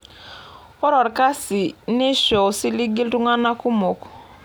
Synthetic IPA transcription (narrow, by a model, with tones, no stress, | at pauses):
ɔ˦ɾɔ˨ɾka˦si˨nɪ˦ʃɔ˨si˦li˦ɡi˦ltu˦ŋa˦na˦ku˦mo˨k